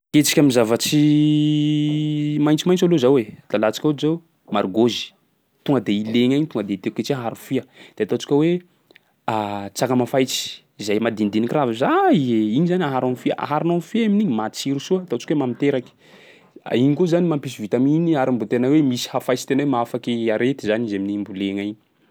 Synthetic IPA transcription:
ket͡si̥kʲamizavat͡ʃi | majnt͡simajnt͡salozawed̪̥alat͡sḁkʲuzaw | maɾuɡozi̥ | t̪uŋɡəd̪eileɲaɲt̪uŋɡəd̪et̪eket͡siaɦaɾufiəd̪̥et̪at͡si̥kʲəwe | at͡sakəmafajt͡si̥ | izajmad̪ind̪inikravizaieiɲizanaɦaɾanfiəʔa̰ɦaɾinonfiaminiɲimat͡siɾusuət̪ot͡ʃi̥kʲwemamit̪eɾaki̥ | a̰iɲikozanimampisivit̪aminiaɾimbut̪enawemisi̥hafajt͡ʃi̥t̪enawemaafakiaɾet̪izanizaminimbuleɲajɲi

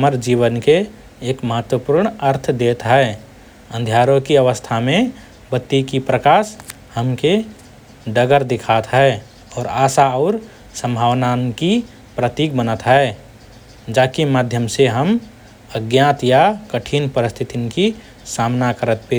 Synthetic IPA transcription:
ɦəməɾd͡ʒiwənkeː | kməɦət̪wəpuɾɳəɾt̪ʰd̪et̪ɦɛ | ə̃nd̪ʱjaːɾõkiəʋəst̪ʰamẽ | bət̪ːikipɾəkaːs | həmke | d̪əɡəɾd̪ɪkʰat̪ɦɛe | ɔːɾaːsaɔʊɾ | sə̃mbʱaːwnanki | pɾət̪iːk̚bənət̪ɦɛ | d͡ʒakimaːd̪ʱjəmseɦəm | əɡjãːt̪jakəʈʰinpəɾɪst̪ʰit̪inki | saːmnakəɾət̪̚pʰe

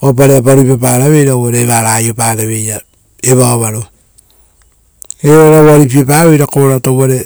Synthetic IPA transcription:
op̬aɾeapaɾupapaːɾaβe̞jɾaβaɾeːβaɾaːjopaːɾaβe̞ja | eβaoβaɾo | eɾaɾaβaɾip̬iepaːβejɾakoɾataβaɾe

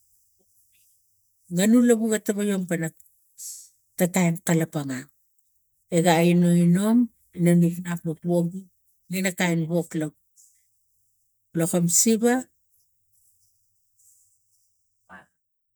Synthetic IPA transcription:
ŋanulaβuɡataβajompana | tatajnkalapaŋa | eɡainoino̞m | inamiknapmopoɡu | ŋinakajnβo̞klab | lokomsiba

